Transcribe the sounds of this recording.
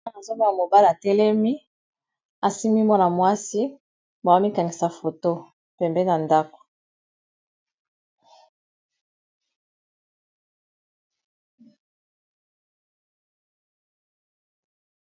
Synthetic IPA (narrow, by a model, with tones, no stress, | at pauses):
a˨zo˦ma˦a˨mo˨ba˦li˨a˨tɛ˦lɛ˦mi˦ | a˨si˦mi˦mɔ˦na˨mwa˦si˦ | ba˨wa˦mi˦ka˨ŋi˨sa˨fo˨to˦ | pɛ˨mbɛ˦na˨nda˦ko̥˨